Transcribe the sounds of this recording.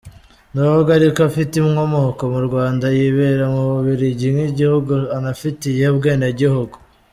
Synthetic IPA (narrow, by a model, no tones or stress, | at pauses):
noβoɡaɾikafitimŋomohoko̞muɾɡwaːndajiβeɾamuβuβiɾiɟimŋiɟihuɡuanafitijeubɡe̞ːnaɟihuɡu